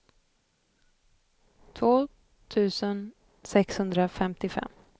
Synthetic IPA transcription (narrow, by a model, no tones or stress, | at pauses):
t̪ʰvoː | t̪ʰʉ̟ːsən | sɛkshɵnd̪ɾafɛmt̪ɪfɛ̰mː